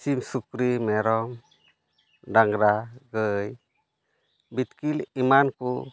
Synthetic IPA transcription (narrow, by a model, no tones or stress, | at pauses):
simsukɾimɛɾɔm | daŋɾaɡɯj | bit̪kilimanku